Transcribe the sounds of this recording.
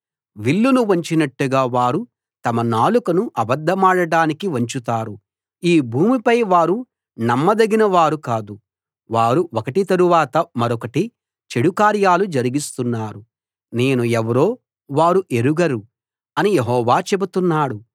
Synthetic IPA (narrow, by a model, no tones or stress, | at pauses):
ʋiɭːunuʋɐɲt͡ʃinɐʈːuɡaːʋaːɾu | t̪ɐmɐnaːlukɐnuʔɐbɐd̪ʱːɐmaːɽɐɽaːnikiʋɐɲt͡ʃut̪aːɾu | iːbʱuːmipɐjʋaːɾu | nɐmːɐd̪ɐɡinɐʋaːɾukaːd̪u | ʋaːɾuʔɔkɐʈit̪ɐɾuʋaːt̪ɐmɐɾɔkɐʈi | t͡ʃeɽukaːɾjaːlud͡ʒɐɾiɡist̪unːaːɾu | ne̞ːnuɛʋɐɾo̞ː | ʋaːɾuʔe̞ɾuɡɐɾu | ɐnijeɦɔːʋaːt͡ʃe̞but̪unːaːɽu